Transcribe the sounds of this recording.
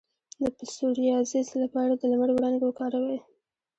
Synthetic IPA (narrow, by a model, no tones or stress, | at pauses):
d̪əpɪsuɾijɑzislapɑɽad̪əlamaɽowɽɑnɡwokɑɾawaj